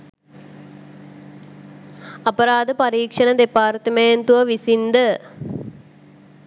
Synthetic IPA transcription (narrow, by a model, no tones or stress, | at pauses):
ɐpəɾaːd̪əpaɾiːkʂənəd̪epaːrt̪əment̪uʋəʋisind̪ə